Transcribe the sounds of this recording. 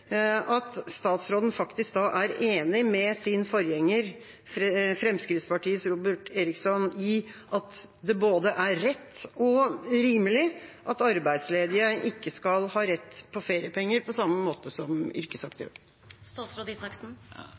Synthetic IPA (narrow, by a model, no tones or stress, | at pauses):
ɑt̪st̪ɑːt̪sɾoːd̪ən̩fɑkt̪ɪsk̚d̪ɑːʔæɾeːnɪmɛsɪnfɔɾjɛŋːəɾ | fɾfɾɛmskɾɪt̪spɑʈiːəsɾuːbəʈeːɾɪksɔnɪʔɑt̪ | d̪ɛboːd̪əʔæɾɛt̪ːɔɾiːməlɪʔɑt̪ɑɾbæɪd̪sleːd̪ɪəʔɪkːəskɑlhɑːɾɛt̪ːpʰɔfeːɾɪəpʰɛŋːəɾpʰɔsɑmːəmoːt̪əsɔmʏ̰ɾkəsɑkt̪ʰə̰ | sɾoːd̪isɑk̩